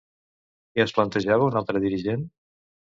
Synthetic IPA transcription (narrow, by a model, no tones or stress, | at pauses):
iəsplənt̪əʒaβəunalˠt̪ɾəðiɾiʒen